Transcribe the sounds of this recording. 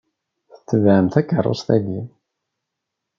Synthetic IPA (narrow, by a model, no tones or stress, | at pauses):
θə̥t͡sːəvʕəmθækːərˤːo̰st̪æɡin